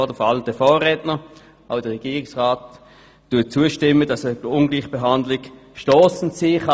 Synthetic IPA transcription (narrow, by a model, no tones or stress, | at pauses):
d̥əfɑldəfoːʁɛːtnə | ʔaʊd̥əʁɛɡ̥iːʁɪksʁaːt | d̥uːɐt͡suːəʃtɪmədɑsəʊnɡliːχb̥eɦɑndlɪɡʃtɔːsn̩t͡siːχɑ